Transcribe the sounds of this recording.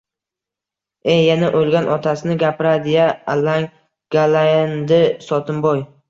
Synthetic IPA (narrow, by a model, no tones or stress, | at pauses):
ejːanaʔolˠɡʲanʔɒt̪ʰasɪnɪɡʲapʰɾad̪ɪjaːlːaŋ | ɡ̥aland̪ɪsɒt̪ʰɪmbɒj